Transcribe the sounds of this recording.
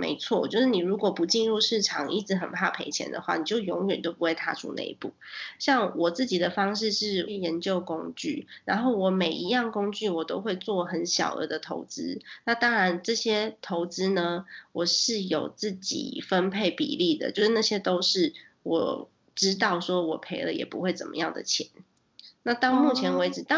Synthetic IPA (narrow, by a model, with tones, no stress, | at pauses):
mḛ˧˥ɪt͡sʰwɔ˥˩t͡ɕjo˥˧ʊʂɻ̩˥˩ni˨˩ɻu˧˥kwɔ˨˩pu˧˥t͡ɕi˥˧nɻu˥˧ʂɻ̩˥˩ʈ͡ʂʰɑ˨˩ŋʔi˥t͡s̩˧˥xə˨˩npʰa̰˥˩pʰe˧˥ɪt͡ɕʰjɛ̰˧˥nd̪ə̰˨xwa̰˥˩ni˨˩t͡ɕjo˥˩ʊjo˧˥ŋɥɛ˨˩nt̪o˥ʊp̚u˦xwe˥˧ɪt̪ʰa̰˥˧ʈ͡ʂʰṵ˥nḛ˥˧ɪpu˥˩ɕjɑ˥˩ŋwɔ˨˩t͡sɹ̩˥˩t͡ɕi˨˩d̪ə˦fɑ˥ŋʂ̬ɻ̩˥˧ʂɻ̩˥˩˥jɛ˧˥nt͡ɕjo˥˩ʊkʊ˥ŋt͡ɕy̰˥˩ɻa̰˧˦˥nxo˥˩ʊwɔ˨˩me˨˩ɪi˧˥jɑ˥˩ŋkʊ˥ŋt͡ɕy˥˩wɔ˨˩t̪o˥ʊxwe˥˧ɪt͡swɔ˥˩xə˧˦nɕjɑ̰˨˩ʊə̰˧˥d̪ə˨t̪ʰo̰˧˥ʊt͡sɹ̩˥na˥˩t̪ɑ˥ŋɻa˧˦˥nʈ͡ʂɤ˥˩ɕjɛ˥t̪ʰo˧˥ʊt͡sɹ̩˥nə˨wɔ˨˩ʂɻ̩˥˩jo˨˩ʊt͡sɹ̩˥˩t͡ɕḭ˨˩fə˦npʰe˥˩ɪpḭ˨˩li˥˩d̪ə̰˩t͡ɕjo˥˧ʊʂ̩˥na˥˩ɕjɛ˥t̪o˥ʊʂɻ̩˥˩wɔ̰˨˩ | ʈ͡ʂɻ̩˥t̪ɑ˥˩ʊʂwɔ˥wɔ˨˩pʰe˧˥ɪlə̰˧˨jɛ̰˨˩pṵ˧˦xwe˥˩ɪt͡sə̰˨˩mʔə̰˦jɑ˥˩ŋd̪ə̰˨t͡ɕʰjɛ˧˥˦n | na˥˧t̪ɑ˥˧ʊmu˥˩t͡ɕʰjɛ˧˥nwe˧˥ɪʈ͡ʂɻ̩˨˩t̪